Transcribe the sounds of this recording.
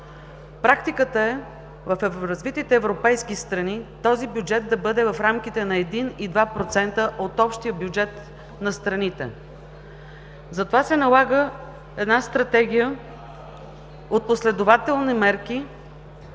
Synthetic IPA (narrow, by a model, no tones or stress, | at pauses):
pɾakt̪ikət̪əɛ | vɐfɛɾɐzvit̪it̪ɛːvɾopɛjskist̪ɾɐnit̪ɔzibjud͡ʒɛt̪̚d̪ɐbɤd̪ɛvɐfɾamk̟it̪ɛnɐɛd̪inid̪vapɾot̪sɛnt̪əʔot̪ɔpʃt̪iəbjud͡ʒɛt̪ | nɐst̪ɾɐnit̪ɛ̰ | zɐt̪ovasɛnɐlˠaɡə | ɛd̪nast̪ɾɐt̪ɛɡ̟ʲijə | ot̪̚poslɛd̪ovat̪ɛlˠnimɛɾki